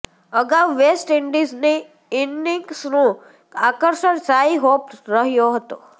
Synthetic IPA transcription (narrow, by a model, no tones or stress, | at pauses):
əɡaʋʋesʈɪɳɖizni | ɪnːɪŋksnõ | akəɾʃəɳsaiɦopɾəɦjoɦət̪o